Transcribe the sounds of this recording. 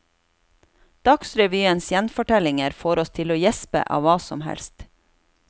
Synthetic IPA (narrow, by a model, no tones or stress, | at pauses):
d̪̥ɑksɾɛʋyːənsjɛnfɔʈɛlɪŋəɾfoːɾɔst̪ʰɪloːjɛspə̰ʔɑ̰ːʋɑːsɔmhɛ̰lst̪